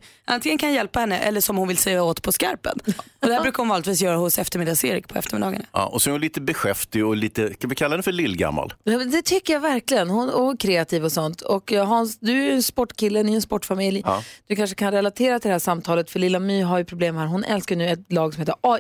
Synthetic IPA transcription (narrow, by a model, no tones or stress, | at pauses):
ʔa̰nt̪ɪŋənkʰanjɛlpahɛnːəʔɛ̰lːəʂɔmhʊnvɪlsɛjaoːt̪pʰɔska̰ɾpə̰nɔd̪ɛhæɾʉ̟kaɾhʊnvɑːlɪt̪viːsjœːɾahʊsɛft̪əɾmɪd̪ɑseːɾɪk̚pʰɔɛ̰ft̪əɾmɪd̪ɑːɡana̰ɔsɛnɛɾhʊnliːt̪əbɛɧɛft̪ɪɔliːt̪əskavɪkʰalad̪ɛnfœlɪlːɡa̰mːa̰ljɛmɛd̪ɛt̪ʰʏkːəjavæɾklɪɡənhʊnɔkʰɾeːat̪ʰiːvɔsɔnt̪ʰɔkːɦaɾnsd̪ɵæɛnspɔʈːkɪlːəd̪ɛɛnspɔʈːfamɪljd̪̥ɵkʰanʂə̥kʰanɾɛlat̪ʰeːɾat̪ʰɪld̪ɛhæʂamt̪ʰɑːlət̪fœɭɪlːamyːɦaɾjɵpʰɾʊbleːmhæːɾɦʊnʔɛ̰lskajnʉ̟ːɛt̪lɑːɡsɔmheːt̪əɾʔɑ